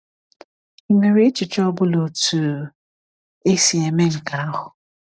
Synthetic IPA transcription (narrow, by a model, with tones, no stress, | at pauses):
me˨ɾe˦t͡ʃɪ˨t͡ʃɔ˦bʊ˦lo˨tu˨ | e˦si˨e˨me˦ŋ̩˨ka˨a˦ɦʊ˨